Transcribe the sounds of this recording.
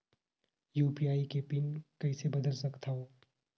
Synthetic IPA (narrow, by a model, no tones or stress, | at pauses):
juːpiaːikepɪnkɐisebɐd̪əlsɐkt̪aɦoː